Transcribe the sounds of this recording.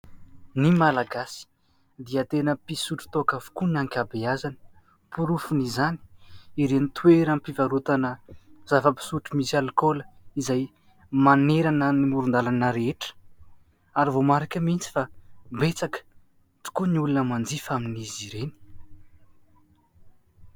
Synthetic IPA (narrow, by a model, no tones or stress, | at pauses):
nimalaɡasi̥ | d̪iat̪enəpisuʈ͡ʂu̥t̪oakavu̥kuniaŋkʲabeazani̥ | puɾufunizani̥iɾenit̪ʰueɾampivaɾut̪anəz̥avəpi̥suʈ͡ʂumisalikoləizaj | maneɾanənimuɾund̪alanəɾeeʈ͡ʂə̥ | aɾivomaɾakʲəmint͡si̥fabet͡sakə̥ | t͡su̥kuniulunəmand͡zifaminiziɾeni̥